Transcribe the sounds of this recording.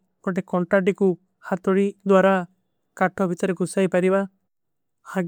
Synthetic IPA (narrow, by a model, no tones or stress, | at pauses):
kɔʈ̬ekɔɳʈaʈiku | hat̪ɔɽid̪waɾa | kaʈʰɔbʱit̪ɔɾekusajpaɾiba | haɡ